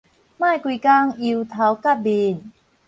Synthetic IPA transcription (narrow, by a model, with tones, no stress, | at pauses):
maː˥˨jkwi˧ka˧ŋi˧wt̪ʰa˨˦wka˥˩p̚bi˧˨˩n